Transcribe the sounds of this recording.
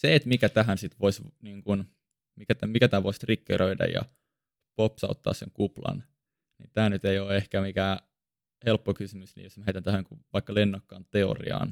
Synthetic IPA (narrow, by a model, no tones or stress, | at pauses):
seːt̪mikæt̪æɦænsit̪ʋoisniːŋkun | mikæt̪æmikæt̪æːʋoisrikːḛɾøidɑ̰jjɑ̰ | popsɑut̪ːɑ̰ːssḛŋkuplɑ̰n | nḭt̪æːnyt̪eioːehkæmikæː | helpːokysymysnḭːjosmæheit̪ænt̪æhækuʋɑikːɑlenːokːɑːnt̪eo̰rḭɑ̰ːn